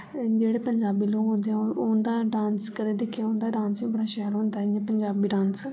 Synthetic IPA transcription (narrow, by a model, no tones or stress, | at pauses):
d͡ʒeːɽeːpəɲd͡ʒaːbiːloːkɦõːnd̪eːɛ̃ond̪aːɖãːnskəd̪eːd̪eːkʰːjaõːnd̪aːɖãːnsʋĩːbəɽaːʃɛlɦõːnd̪aːɛɪɲãpəɲd͡ʒaːbiːɖãːns